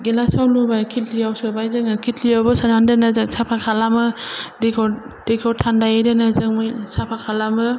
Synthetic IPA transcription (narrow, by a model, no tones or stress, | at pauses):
ɡelasawlubajkʰitlijawsɯbajzɯŋɯkʰitlijawbɯsanandɯnazɯŋsapʰakʰalamɯdekʰɔ | d̥ekʰɔtʰandajadenazɯŋmɯjsapʰakʰalamɯ